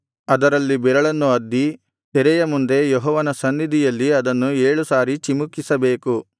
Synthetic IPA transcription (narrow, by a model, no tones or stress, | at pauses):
ɐd̪ɐɾɐlːibɛɾɐɭɐnːuɐd̪ːi | t̪ɛɾɛjɐmund̪e̞jɔɦɔːʋɐnɐsɐnːid̪ijɐlːiɐd̪ɐnːueːɭusaːɾit͡ʃimukːisɐbe̞ːku